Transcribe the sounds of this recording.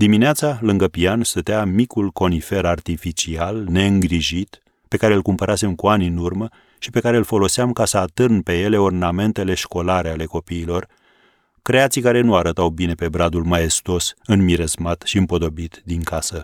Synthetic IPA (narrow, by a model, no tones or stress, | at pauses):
d̪imineat̪salɨŋɡəpianst̪ət̪eamikulko̞nife̞ɾart̪ifit͡ʃialne̞ɨŋɡɾiʒit̪ | pe̞kaɾe̞ɨlkumpəɾase̞mkuanʲɨnurmə | ʃipe̞kaɾe̞ɨlfo̞lo̞seamkasəat̪ɨrnpe̞je̞le̞orname̞nt̪e̞le̞ʃko̞laɾe̞ale̞ko̞piːlo̞r | kɾe̞at̪sikaɾe̞nuaɾət̪awbine̞pe̞bɾad̪ulmaje̞st̪o̞sɨnmiɾezmat̪ʃiɨmpo̞d̪o̞bit̪d̪iŋkasə